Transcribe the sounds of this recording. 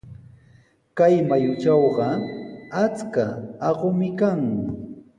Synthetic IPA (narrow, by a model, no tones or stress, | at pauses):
kajmajʊt͡ʃɑwɢɑat͡skaɑɢomɪkaŋ